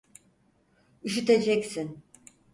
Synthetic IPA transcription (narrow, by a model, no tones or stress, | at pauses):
yʃyt̪ed͡ʒɛcsin